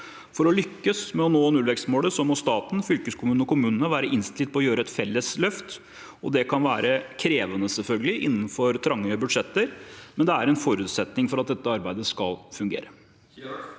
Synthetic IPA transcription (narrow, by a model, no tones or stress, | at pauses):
fɔɾɔlʏkːəsmɛɔnoːɛnʉːlʋɛkst̪moːɽəsɔmɔst̪ɑːt̪n̩fʏlkəskʰʊmʉːnɔkʊmʉːnənəʋæːɾəʔɪnst̪ɪlt̪pɔɔjøːɾəɛt̪fɛlːəslœft̪ | ɔd̪ɛkʰɑnʋæːɾəkʰɾeːʋənəsɛlfœlɡəlɪʔɪ̰nːn̩fɔɾt̪ʰɾɑŋːəbʉd̪ʂɛt̪ːəɾmɛnd̪ɛæɾɛnfɔɾʉːt̪sɛt̪nɪŋfɔɾɑt̪̚d̪ɛt̪ːəɑɾbæɪd̪əskɑ̰lfʉŋɡḛːɾə